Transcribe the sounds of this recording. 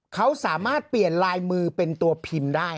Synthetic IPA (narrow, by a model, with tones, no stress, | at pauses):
kʰa˦˥wsaː˩˦maː˥˩t̪̚pli˨˩ənlaː˧jmɯː˧pe˧nt̪u˧ɐpʰi˧mdaː˥˩j